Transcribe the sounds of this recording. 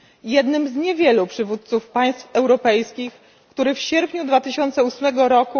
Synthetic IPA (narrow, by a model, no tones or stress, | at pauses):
jɛd̪nɘmzɲɛvʲjɛlupʂɘvut̪̚t̪sufpaj̃st̪fɛwɾɔpɛjskʲix | kt̪uɾɘfɕɛɾpɲud̪vat̪ɘɕɔnt̪sɛusmɛɡɔɾɔku